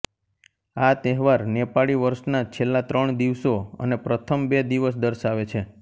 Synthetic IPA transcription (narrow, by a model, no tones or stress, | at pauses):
at̪ɛɦʋaɾnepaɭiʋəɾʃnat͡ʃʰelːat̪ɾəɳd̪iʋsoə̰nepɾət̪ʰəmbed̪iʋəs̬d̪əɾʃaʋet͡ʃʰe